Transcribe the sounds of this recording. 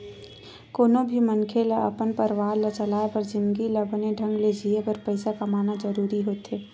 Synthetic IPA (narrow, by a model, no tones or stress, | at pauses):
koːnõbʱimənkʰelaɐ̰pənpəɾʋaːɾlət͡ʃɐlaːepɐɾd͡ʒɪ̃nd̪ɡilɐbʱəneɖʱə̃ŋɡled͡ʒʱieɡəɾpəɪsakamaːnad͡ʒəɾuːɾiɦoːt̪eː